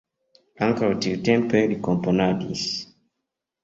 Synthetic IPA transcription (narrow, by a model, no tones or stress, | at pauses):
aŋkautiltɛmpɛɾikɔmpɔnadis